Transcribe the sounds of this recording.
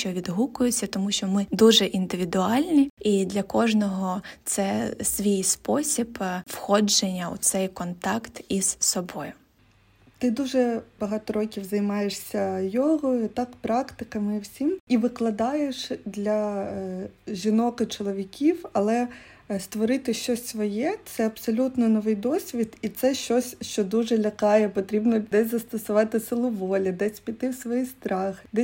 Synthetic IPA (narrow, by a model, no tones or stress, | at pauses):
t͡ʃɔʋʲid̪ɦukʊjʊt͡sʲːɐt̪ɔmuʃt͡ʃɔmɪd̪uʒɛʔind̪ɪʋʲid̪ʊɑlʲnʲiid̪lʲɐkɔʒnɔɦɔt̪sɛsʋʲijspɔsʲibwxɔd͡ʒenʲːɐṵt̪sɛjkɔnt̪ɑkt̪iz̥sɔbɔjʊ | t̪ɪd̪uʒɛbɐɦɑt̪ɔɾɔkʲiwzɐjmɑjeʂsʲɐjɔɦɔjʊt̪ɑkpɾɑkt̪ɪkɐmɪwsʲimiʋɪklˠɐd̪ɑjeʃd̪lʲɐ | ʒʲinɔkɐt͡ʃɔlˠɔʋʲikʲiwɐlˠɛ | st̪ʋɔɾɪt̪ɪʃt͡ʃɔsʲsʋɔjɛt̪sɛɐbsɔlʲut̪nɔnɔʋɪjd̪ɔsʲʋʲid̪it̪sɛʃt͡ʃɔsʲʃt͡ʃɔd̪uʒɛlʲɐkɑjɛpɔt̪ɾʲibnɔd̪ɛsʲzɐst̪ɔsʊʋɑt̪ɪsɪlˠʊʋɔlʲid̪ɛsʲpʲit̪ɪwsʋɔjist̪ɾɑxɪd̪ɛ